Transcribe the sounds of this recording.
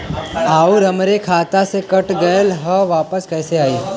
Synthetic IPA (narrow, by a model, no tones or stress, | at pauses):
aːuɾəmɾekʰaːt̪asekɐʈɡɐəlɦəʋaːpəskɛːseaːiː